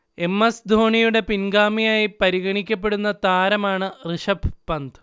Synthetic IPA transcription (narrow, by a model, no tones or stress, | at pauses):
e̞mːɐsd̪ʱo̞ːɳijuɽe̞pinɡaːmijaːjipɐɾiɣɐɳikʲːɐpːe̞ɽunːɐt̪aːɾɐmaːɳɨrɨʂɐbpɐnd̪ɨ